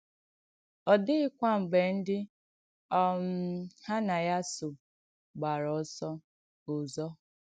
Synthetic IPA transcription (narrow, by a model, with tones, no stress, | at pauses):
ɔ˨dɪ˦ɪ˦kʷa˦ŋ͡m̩˨ɡ͡be˨n̩˦dɪ˦ | ɔ˦m̩˦ha˦na˨ja˦sʊ˨ | ɡ͡ba˨ɾɔ˨˦sɔ˦ | ʊ˨zɔ˦